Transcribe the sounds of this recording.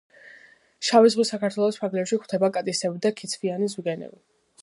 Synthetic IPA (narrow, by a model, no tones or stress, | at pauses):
ʃavizʁusakʰaɾt̪ʰwɛlˠɔspʰaɾɡlɛpʃikʰt̪ʰɛbakʼat̪ʼisɛbid̪akʰit̪sʰvianizuɡɛnɛ̰bi